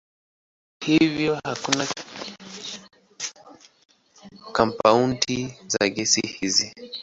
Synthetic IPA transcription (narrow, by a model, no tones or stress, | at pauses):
hivjɔhakuna | kampauntʰizaɡɛsihizi